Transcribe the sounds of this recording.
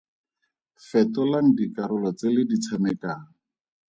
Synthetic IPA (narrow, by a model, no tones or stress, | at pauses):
fɛtɔlaŋ̩dikaɾʊlɔt͡sɪlɪdit͡sʰamɛkaːŋ̩